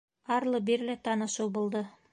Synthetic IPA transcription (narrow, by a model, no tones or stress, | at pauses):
ɑɾlˠɤbiɾlæt̪ɑnɤ̆ʃɤwbŭlˠd̪ɤ